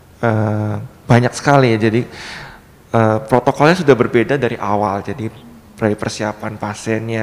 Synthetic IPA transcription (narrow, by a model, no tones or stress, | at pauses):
əbaɲak̚sə̥kalid͡ʒadi | əpɾot̪okɔlɲasudahbərbedadaɾiʔawald͡ʒadi | bəɾadipərsiapanpasɛnɲa